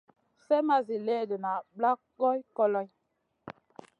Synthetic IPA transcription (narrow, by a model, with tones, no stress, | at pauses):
sɛ˦ma˦zi˨lɛ˦˨də˨na˨bla˦ | ɡɔ˦jkɔ˦lɔ˦j